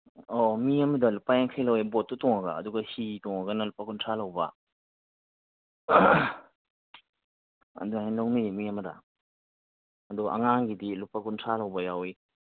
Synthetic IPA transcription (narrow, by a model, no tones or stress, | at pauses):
omiɐmɐdɐlupajaŋkʰajlɐwebot̚ːutɔŋaɡa̰ːduɡɐhitɔŋɐɡɐnɐlupakuntʰɾalɐwbɐ̰ | ɐ̰duaenlɐwnimiɐmɐdɐ̰ | ɐduʔɐ̰ŋaŋɡidilupakuntʰalɐwbɐjawi